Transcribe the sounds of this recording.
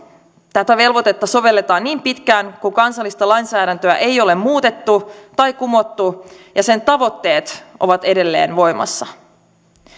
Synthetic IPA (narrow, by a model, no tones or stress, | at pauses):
t̪æt̪æʋe̞lʋo̞t̪e̞t̪ːɑso̞ʋe̞lːe̞t̪ɑːnniːmpit̪kæːŋkukɑnsɑlːist̪ɑlɑjnsæːɾænt̪øæʔejo̞le̞mmuːt̪e̞t̪ːut̪ɑjkumo̞t̪ːujɑse̞nt̪ɑʋo̞t̪ːe̞ːt̪ʔo̞̰ʋɑt̪e̞de̞lːe̞̰ːnʋo̞jmɑ̰sːɑ